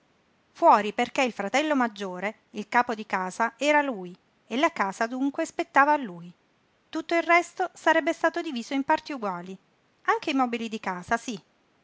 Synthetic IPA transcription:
fwɔːɾiperkeilfɾat̪ɛlːomad͡ʒːoːɾe | ilkaːpod̪ikaːzaɛːɾaluːj | elakaːzad̪uŋkwespet̪ːaːvaːlːuːj | t̪ut̪ːoilrɛst̪osaɾɛbːest̪aːt̪od̪iviːzoimpart̪iuɡwaːli | aŋk̟eimɔːbilid̪ikaːzasi

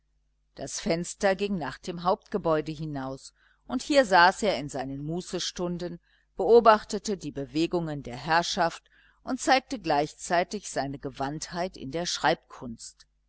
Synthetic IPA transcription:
d̥asfɛnstɐɡɪŋnaːχd̥eːmɦaʊp̚tɡ̥əbɔʏdəɦɪnaʊs | ʔʊnthiːɐzaːsʔeːɐɪnzaɪnənmuːsəʃtʊndən | b̥əʔoːbaχtətədiːbəveːɡʊŋəndeːɐɦɛɐʃaft | ʔʊntt͡saɪk̚təɡlaɪçt͡saɪtɪçz̥aɪnəɡəvanthaɪtɪ̰ndeːɐʃʁ̥aɪp̚kʰʊnst

